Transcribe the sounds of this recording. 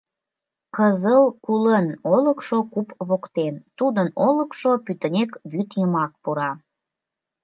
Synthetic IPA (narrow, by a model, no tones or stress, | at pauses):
kəzəlkulənoləkʃokupβokt̪ent̪ud̪ənolə̆kʃopyt̪ənʲekβyt̪jəmɑk̚puɾɑ